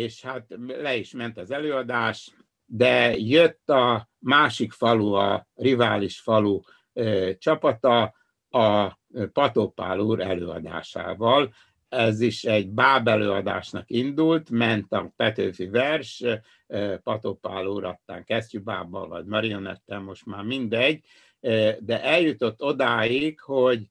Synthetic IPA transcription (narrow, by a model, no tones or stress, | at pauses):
eːʃhat̪lɛiʃmɛnt̪ɒzɛløːɒd̪aːʃ | d̪ɛjøt̪ːɒmaːʃikfɒluɒrivaːliʃfɒlu | t͡ʃɒpɒt̪ɒ | ɒ | pɒt̪oːpa̰ːluːɾɛløːɒ̰d̪a̰ːʃa̰ːvɒl | ɛziʃɛɟbaːbɛløːɒd̪a̰ːʃnɒkind̪ult̪mɛnt̪ɒpɛt̪øːfivɛrʃ | pɒt̪opaːluːɾɒst̪ːa̰ːŋkɛst͡ʃuba̰ːbːɒ̰lvɒ̰ɟmɒɾio̞nɛ̰t̪ːɛmmo̞ʃt̪maːrmind̪ɛɟː | d̪ɛʔɛljut̪o̞t̪ːo̞d̪aːjikho̞ɟ